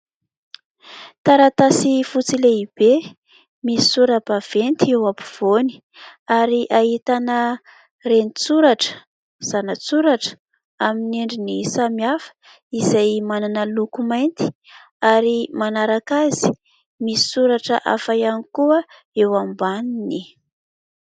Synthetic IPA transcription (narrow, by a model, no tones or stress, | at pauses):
t̪aɾat̪asifut͡sileib̥e | misi̥suɾəb̥av̥ent̪iewapu̥v̥oni̥ | aɾiʔaɦit̪anə | renit͡suɾaʈ͡ʂə̥ | z̥anət͡suɾaʈ͡ʂə̥ | aminiɳɖ͡ʐinisamiafə̥ | izajmananəlukumajnt̪i̥ | aɾimanaɾakaz̥i̥ | misi̥suɾaʈ͡ʂəʔa̰fajanikuə | ewambanini